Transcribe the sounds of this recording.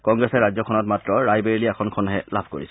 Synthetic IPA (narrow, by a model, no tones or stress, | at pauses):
kɔŋɡɹɛsɛɹazɔkʰɔnɔtmatɹɔɹajbeɹiliɛkʰɔnkʰɔnɦɛlabʱkoɹisɛ̥